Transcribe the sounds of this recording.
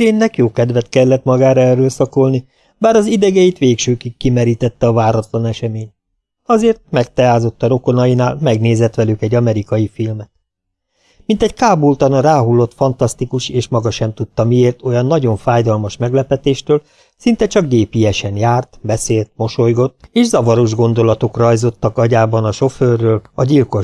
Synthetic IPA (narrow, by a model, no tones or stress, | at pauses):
ɾeːnːɛkjoːkɛd̪ʋɛt̪kɛlːɛt̪mɒɡaːɾɒɛrːøːlsɒko̞lni | baːɾɒzid̪ɛɡɛjit̪ʋeːkʃøːkikːimɛɾiːt̪ɛt̪ːɛɒvaːɾɒt̪lɒnɛʃɛmeːɲt̪̚ | ɒzeːrt̪̚mɛk̚t̪ɛaːzo̞t̪ːɒɾo̞ko̞nɒjinaːlmɛɡneːzɛt̪ʋɛlykɛɟːɒmɛɾikɒjifilmɛt̪ | mint̪ɛɟkaːbult̪ɒnɒɾaːɦulːo̞t̪fɒnt̪ɒst̪ikuʃeːʃmɒɡɒʃɛmt̪ut̪ːɒmijeːrt̪o̞jɒnːɒɟo̞ɱfaːjd̪ɒlmɒʃmɛɡlɛpɛt̪eːʃt̪øːl | sin̪t̪ɛt͡ʃɒɡdeːpijɛʃɛnjaːrt̪bɛseːlt̪̚mo̞ʃo̞jɡo̞t̪ːeːʃzɒvɒɾoʒɡo̞nd̪o̞lɒt̪o̞krɒjzo̞t̪ːɒkɒɟaːbɒnɒʃo̞føːrːøːlɒɟilko̞